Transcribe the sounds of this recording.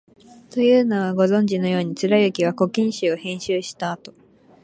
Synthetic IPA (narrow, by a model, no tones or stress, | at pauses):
t̪o̞jɯ̟ːnaβaɡo̞zõ̞ɲ̟d͡ʑino̞jo̞ːɲ̟it͡sɨɾajɯ̟kʲiβako̞kʲĩɰ̃ɕɨohẽ̞ɰ̃ɕɨːɕi̥t̪aːt̪o̞